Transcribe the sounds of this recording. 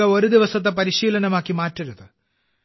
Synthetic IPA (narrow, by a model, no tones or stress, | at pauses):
ɐo̞ɾud̪iʋɐsɐt̪ːep̬ɐɾiɕiːlɐnɐmaːkːimaːtːɐɾuðɨ